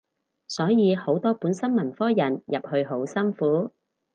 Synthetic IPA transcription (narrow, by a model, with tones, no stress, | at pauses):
sɔː˨˥jiː˨˧ho˨˥wt̪ɔː˥puː˨˥nsɐ˥nmɐ˨˩nfɔː˥jɐ˨˩njɐ˨p̚hɵ˧ɥɦo˨˥wsɐ˥nfuː˨˥